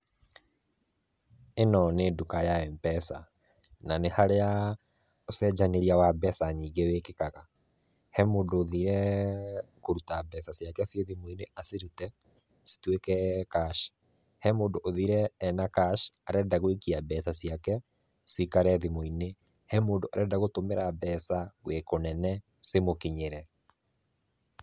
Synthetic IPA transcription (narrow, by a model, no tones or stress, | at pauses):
enɔneːdukajaɛmpɛsa | nanehaɾea | osɛd͡ʒaneɾiawabɛsaɲiːɡeweːkekaɣa | hɛmoːdoːðiɾɛ | koɾutabɛsasjakɛseðimoineʔaseɾutɛ | si̥twekɛkaʃ | hɛmoːndoʔoðiɾɛːnakaʃaɾɛdaɣoekiabɛsasijakɛ | sikaɾɛðimoine | hɛmoːndoa̰ɾɛdaɣotomeɾabɛsawekonɛnɛ | semokiɲeɾɛ